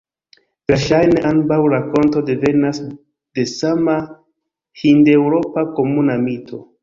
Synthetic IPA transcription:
veɾʃajne̞ʔanbawɾako̞nto̞de̞ve̞nas | d̥e̞sama | hinde̞wɾo̞pako̞munamitʰo̞

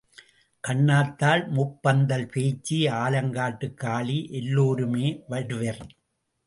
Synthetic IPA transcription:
kɐɳːaːt̪ːaːlmʊpːɐnd̪ɐlpeːt͡ʃːiaːlɐŋɡaːʈːɯkːaːɭiʔɛlːoːɾɯmeːʋɐɽɯʋɐɾ

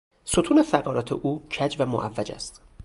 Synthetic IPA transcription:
sot̪ʰuːnefæɣɒːɾɒːt̪ʰeʔuːcʰæd͡ʒvæmo̰ʔævːæd͡ʒæ̰st̪

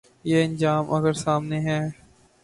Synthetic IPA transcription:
jeːɐ̃nd͡ʒaːmʔɐ̰ɡəɾsaːmneɦɛː

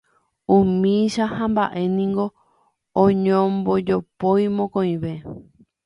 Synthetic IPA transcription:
ũmĩʃahãmba̰ʔe̞nĩŋɡo̞ | õɲõmbod͡ʒopojmõkõĩβe̞

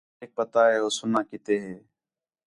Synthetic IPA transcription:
eːk̚pət̪aːɦeːoːsʊnãːkɪt̪eːɦeː

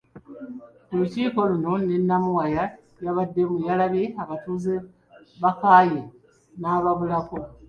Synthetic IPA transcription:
kuluciːko̞luno̞nenːamuwaja | jaβadːe̞mujalaβeaβatuːze | βakaːje | naːβaβulako

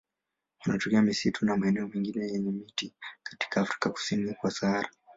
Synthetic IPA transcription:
anatɔkɛamisitʰunamaɛnɛɔmɛŋɡinɛjɛɲɛmitikḁti̥kʰaːfɾi̥kaku̥sinikwasaaɾa

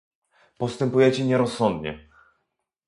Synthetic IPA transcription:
pɔst̪ɛmpujɛt͡ɕɛɲɛɾɔsːɔnd̪ɲɛ̰

